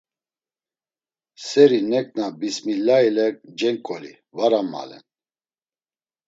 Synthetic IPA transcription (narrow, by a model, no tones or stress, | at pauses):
sɛɾinɛkʼnabismilailɛk̚ʼd͡ʒɛŋkʼɔlḭ | vaɾama̰lɛ̰n